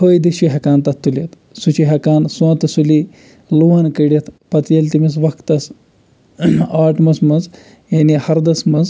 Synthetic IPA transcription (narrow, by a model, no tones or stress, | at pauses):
hoːjd̪iʃiɦɐkaːnt̪ɐt̪ːulɐt̪ | sut͡ʃiɦɐkaːnswɐ̃ːt̪suli | luːɦɐnkɐɽit̪ʰpɐt̪jɐlt̪imis̬ʋɐkt̪ɐs | aːʈmɐsmɐnz | jɐnihɐɾd̪ɐsmɐnz